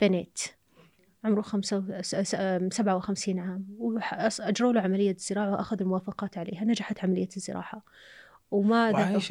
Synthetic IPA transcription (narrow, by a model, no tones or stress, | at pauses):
b̥aneːt̪ | ʕʊmɾuxamsa | sabʕawɪxamsiːnʕaːmwħʔad͡ʒɾˤoːluʕamalɪjːaz̥ːɪɾɑːʕawʔa̰xaðalmʊwaːfɑqɑːt̪ʕalḛːhanad͡ʒaħat̪ʕamalɪjːazːɪ̰ɾʔɑ̰ːʕa | wmaða